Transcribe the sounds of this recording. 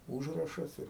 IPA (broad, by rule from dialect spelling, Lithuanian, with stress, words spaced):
ˈuːʒrɐʃɐs ɪr